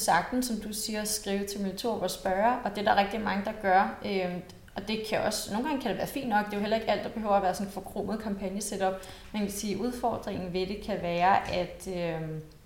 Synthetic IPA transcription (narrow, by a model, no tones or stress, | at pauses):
sɑ̈ɡ̥̚d̥n̩sɒ̽md̥usiːɐsɡ̥ʁiːʊət͡sʰe̝lmelt͡sʰo̝̰ːb̥ɒsb̥ɶɐʔɒ̽d̥e̝dæʁɛɡ̥̚d̥imɑ̈ŋəd̥ɑ̈ɡ̥ɶɐø | ɒ̽d̥e̝kʰæʔɒ̽sno̝ːnŋɡ̥ɑ̈ŋkʰæɾe̝ʋæːɐfḭːnd̥nɒ̽ɡ̥̚d̥e̝joɦelɐe̝ɡ̥æl̰d̥ɑ̈b̥ehø̰ʊɐʋæːɐsɒ̽n̩fɒ̽kʰʁom̰əðˠkʰɑ̈mpʰænjəsed̥ɒ̽b̥ | menkkʰesiːʔuð̞ˠfɒ̰ːd̥ʁeŋn̩ʋe̝d̥e̝kʰæʋæːɐʔæd̥ø